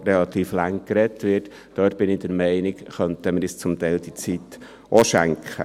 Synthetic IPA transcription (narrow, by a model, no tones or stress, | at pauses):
ɾɛlɑt̪iːflaŋkɾɛtʋɪt | d̥œːt̚b̥ɪnɪd̥̪əɾmɛɪnɪkχœntəmɪɾist͡sʊmt̪ɛɪld̥̪it͡sit | ʔoʃæŋkχə̰